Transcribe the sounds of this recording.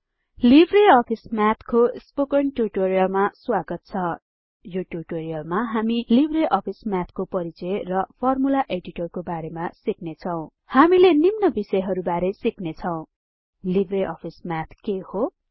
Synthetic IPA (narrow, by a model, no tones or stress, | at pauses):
libʱreʌpʰismat̪ʰkospokʌɳʈuʈoɾijʌlmaswaɡʌt̪̚t͡sʰʌ | joʈuʈoɾijʌlmaɦamilibʱreʔʌpʰismat̪ʰkopʌɾit͡sʌrʌpʰʌrmulaʔeɖiʈʌrkobaɾemasiknet͡sʰʌw̃ | hamilenimnʌbisʌjɦʌɾubaɾesiknet͡sʰʌw̃ | libʱreʔʌpʰismat̪ʰkeho